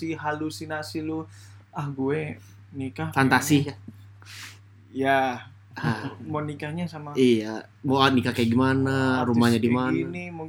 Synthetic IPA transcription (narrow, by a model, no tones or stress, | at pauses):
iɦalusinasilu | ahɡue | nikafant̪asi | ja | amonikaɲasamaija | moanikakajaɡimanaɾummahɲadimannimu